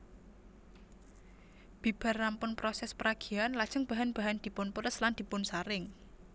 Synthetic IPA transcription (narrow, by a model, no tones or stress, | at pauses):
b̥ib̥a̤rːampʊnpɾɔsɛspəɾaɡ̥i̤anlad̥ʒ̥əŋb̥a̤ɦanb̥a̤ɦand̪̥i̤pʊnpuɾəsland̪̥i̤pʊnsaɾɪŋ